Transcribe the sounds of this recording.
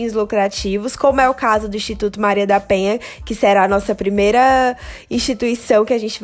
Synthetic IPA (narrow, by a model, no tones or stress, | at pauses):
ʊzlukɾat͡ʃivʊskõmʊɛʊkazʊd̪ʊĩst͡ʃit̪ut̪ʊmaɾiɐd̪apẽɲɐkɪsɛɾaːnɔsɐpɾimejɾɐĩst͡ʃit̪uisɐ̃w̃kɪaʒẽnt͡ʃɪv